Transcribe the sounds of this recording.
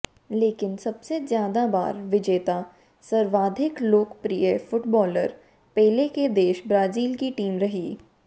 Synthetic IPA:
leːkɪnsɐbsezjaːd̪aba̰ːɾʋɪd͡ʒeːt̪a | sɐɾʋaːd̪ʱɪkloːkpɾijəfʊʈbɔːləɾ | pɛːɦleked̪eːʃbɾaːziːlkiʈiːmɾɐɦiː

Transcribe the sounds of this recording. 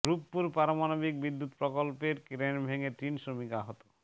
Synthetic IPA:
ɡɾupːuɾpaɾomanobik̚bid̪ːut̪pɾokolpeɾkɾenbʱeŋet̪ɾinsɾomikaɦɔt̪o̥

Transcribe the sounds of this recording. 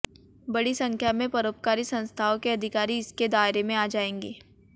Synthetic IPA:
bɐɽisɐ̃ŋkʰjamẽpɐɾoːp̚kaːɾisɐ̃nst̪ʰaːõkeɐd̪ʱɪkaːɾiɪsked̪aːɪɾemẽaːd͡ʒaːẽːŋɡeː

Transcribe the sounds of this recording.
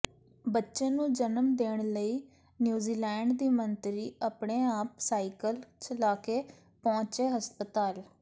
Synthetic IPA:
bətːʃẽːnũːd͡ʒənəmd̪eːɳ̃ləiː | njuːziːlɛːɳɖd̪iːmənt̪ɾiːapɳeːaːp̚saːikəlt͡ʃəlaːkeː | pɔ̃ːt͡ʃeːɦəspət̪aːl

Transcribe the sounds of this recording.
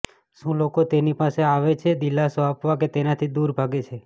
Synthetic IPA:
ʃũlokot̪enipaseaʋet͡ʃʰed̪ilːasoapʋaket̪enat̪ʰid̪uɾbʱaɡet͡ʃʰe

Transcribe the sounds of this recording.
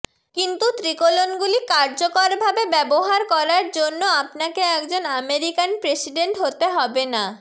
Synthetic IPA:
kint̪ut̪ɾikolonɡulikaɾd͡ʑokoɾbʱabebɛboɦaɾkɔɾaɾd͡ʑonːoapnakeɛkd͡ʑonameɾikanpɾesiɖeɳʈɦot̪eɦɔbena

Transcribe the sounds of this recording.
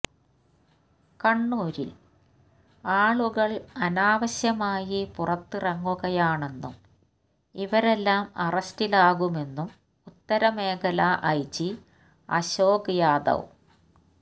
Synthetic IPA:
kɐɳːuːɾḭl | aːɭuɣɐɭɐnaːʋɐɕjɐmaːjipurɐt̪ːɨrɐŋːuɣɐjaːɳe̞nːṵm | iʋɐɾe̞lːaːmɐrɐstilaːɣume̞nːum | ut̪ːɐɾɐme̞ːɣɐlɐʔɐjt͡ɕːi | ɐ̰ɕoːɡjaːd̪ɐ̰w

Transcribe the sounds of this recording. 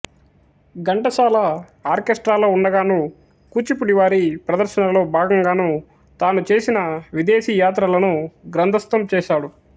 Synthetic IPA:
ɡɐɳʈɐsaːlɐ | aːɾkesʈɾaːlo̞ːuɳɖɐɡaːnu | kuːt͡ʃipuɽiʋaːɾipɾɐd̪ɐɾʃɐnɐlo̞ːbʱaːɡɐŋɡaːnu | t̪aːnut͡ʃe̞ːsinɐʋid̪eːʃiːjaːt̪ɾɐlɐnuɡɾɐnd̪ʱɐst̪ɐmt͡ʃɛːʃaːɽu

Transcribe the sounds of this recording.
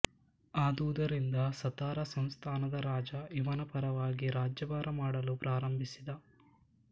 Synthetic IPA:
aːd̪uːd̪ɐɾind̪ɐsɐt̪aːɾɐsɐmst̪ʰaːnɐd̪ɐɾaːd͡ʒɐiʋɐnɐpɐɾɐʋaːɡiɾaːd͡ʒjɐbaːɾɐmaːɽɐlupɾaːɾɐmbʱisid̪ɐ

